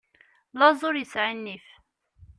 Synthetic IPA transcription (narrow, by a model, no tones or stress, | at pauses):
lɑzˤʊɾjisʕinːif